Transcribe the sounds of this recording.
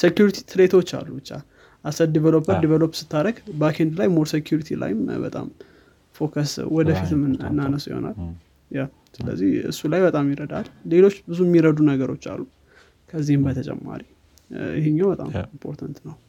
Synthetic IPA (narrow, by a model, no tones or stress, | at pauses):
sekjuɾit̪ʰi̥t̪ʰɨɾe̞t̪ʰo̞t͡ʃːa̰lːubɨt͡ʃːa̰ | ʔasət̪̚d̪ivəlopʰːəɾd̪ivəlopsɨ̥t̪ʰːaɾəɡbakʰend̪lajmoɾsekjuɾit̪ʰila̰jɪmbə̰t̪ʼa̰m | fo̞kʰəswɔd̪əfit̪ʰɨmɨ̰nːanəsjɪ̰ho̞̰na̰l | ja | sɨlə̰zːihɨ̰sːulajbət̪ʼamjiɾəd̪a̰lːle̞lo̞t͡ʃːbɨzumːiɾəd̪unəɡəɾo̞t͡ʃːa̰lːu | kʰəzːihɨmbət̪ʰət͡ʃʼɛ̰mːa̰ɾi | ɪ̰heɲːawbət̪ʼa̰mimpʰo̞̰ɾt̪ʰənt̪nəw